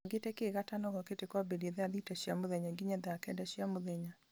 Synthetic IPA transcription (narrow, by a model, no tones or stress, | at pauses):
ɡetɛkeɣatanɔɣɔketekwabedeðaðitaɕjamoðɛɲaɡiɲɛðakɛdaɕiamoðɛɲa